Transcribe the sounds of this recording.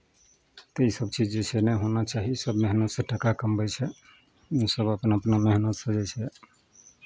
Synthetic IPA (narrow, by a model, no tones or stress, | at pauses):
t̪eisəbt͡ʃid͡ʒd͡ʒesʰɛnɛɦonat͡ʃaɦisəbmeɦnət̪sə̃ʈəkakəmbət͡ʃʰɛ | usəbəpnaəpnamɛɦnət̪sə̃d͡ʒɛt͡ʃʰɛ